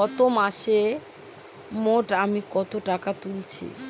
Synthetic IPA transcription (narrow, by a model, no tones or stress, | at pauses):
ɔt̪omaʃe | moʈamikɔt̪oʈakat̪ulit͡ɕʰḭ